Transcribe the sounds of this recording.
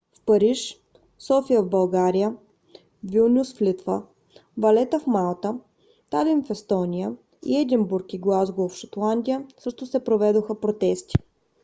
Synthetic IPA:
fpɐɾiʃ | sɔfijəvbɐlˠɡaɾijə | vilˠnʲusflit̪və̰ | vɐlɛt̪əfmalˠt̪ə | t̪alinfɛst̪ɔnʲijə | ḭɛd̪imbuɾkiɡlˠazɡolˠfʃɐt̪lˠand̪ʲijəsɤʃt̪ʊsɛpɾovɛd̪oxəpɾot̪ɛst̪i̥

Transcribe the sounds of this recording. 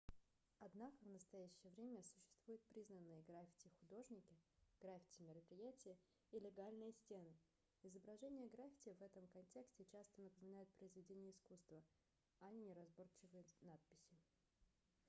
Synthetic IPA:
ɐd̪nakəvnəst̪ɐjæɕːɪjəvɾʲemʲəsʊ̥ɕːɪ̥st̪v̥ujɪt̪̚pɾʲiznənːɨjəɡɾafʲɪ̥tʲɪxʊd̪o̞ʐnʲɪkʲɪɡ̥ɾafʲɪ̥tʲɪmʲɪɾəpɾʲɪjætʲɪjə | ilʲɪɡalʲnɨjəsʲtʲenɨ | ɪzəbɾɐʐɛnʲɪjəɡɾafʲɪ̥tʲɪjəvɛt̪əmkɐnʲtʲe̞ksʲtʲɪt͡ɕast̪ənəpəmʲɪnajʊt̪̚pɾəɪzvʲɪdʲenʲɪjəɪskust̪və | ɐnʲɪnʲɪɾɐzbo̞rt͡ɕɪvɨjənat̪̚pʲɪ̥sʲɪ

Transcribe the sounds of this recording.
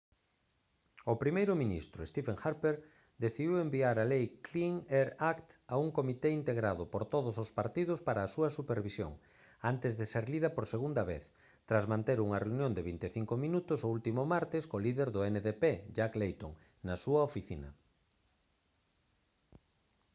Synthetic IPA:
ʊpɾimejɾʊminḭst̪ɾʊest̪ifeŋxaɾpeɾ | d̪eθiðiwembiaɾalejkliŋeɾakt̪auŋkomit̪eint̪eɣɾaðʊpoɾt̪oðʊsospaɾt̪ið̞ʊspaɾɐːsuɐsupeɾβisjo̰ŋ | ant̪ɪzðeseɾliðɐpoɾseɣund̪ɐβḛθ | t̪ɾazmãnt̪eɾuŋɐreunjõnd̪eβint̪eθiŋkʊmĩnut̪ʊsoult̪imʊmaɾt̪ɪskoliðeɾðʊeneðeped͡ʒaklejt̪oŋ | nɐsuɐofiθinɐ̰

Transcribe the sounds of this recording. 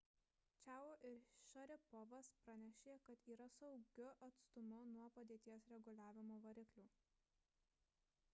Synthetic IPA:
t͡ʃʲæːʊoːʔɪɾʃʲɐɾʲɪpɔʋɐspɾɐnʲɛʃʲeːkɐt̪iːɾɐsɒʊɡʲʊʔɐt̪st̪ʊmʊnuɔpɐd̪ʲeːt̪ʲiɛsɾʲɛɡʊlʲæːʋʲɪmoːʋɐɾʲɪklʲuː

